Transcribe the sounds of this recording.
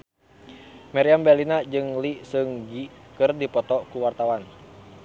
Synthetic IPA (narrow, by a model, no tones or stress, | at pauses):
maɾiambɛlinad͡ʒɨŋlisɨŋd͡ʒikɨrdipɔt̪ɔkuwart̪awan